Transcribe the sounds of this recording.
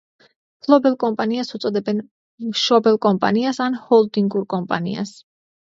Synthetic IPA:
pʰlˠɔbɛlˠkʼɔmpʼaniasut̪sʼɔd̪ɛbɛn | mʃɔbɛlˠkʼɔmpʼa̰niasanhɔlˠd̪iŋɡuɾkʼɔmpʼa̰nḭa̰s

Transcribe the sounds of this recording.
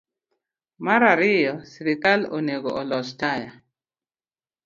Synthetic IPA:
maɾaɾɪjɔsiɾɪkaloneɡo̰ʔɔlɔstaja

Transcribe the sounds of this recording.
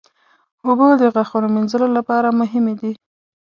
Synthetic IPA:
obod̪əɣaxunominzəlolapɑɾamʊɦɪmed̪i

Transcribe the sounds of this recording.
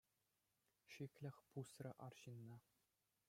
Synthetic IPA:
ʂikʲlʲɘ̆xʲpusrʲɤ̆ʔɑrɕinːɑ̆

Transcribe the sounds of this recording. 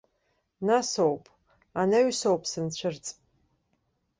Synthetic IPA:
nasowpʼ | anɐɥsowpʰʼsɨnt͡ɕʷʰɨrt͡sʼ

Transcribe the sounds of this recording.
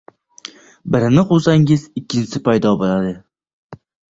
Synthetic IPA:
bɪɾɪnɪqʊlˠsaŋɪzɪkʲʰːɪnsɪpajd̪ɒbolad̪ɪ

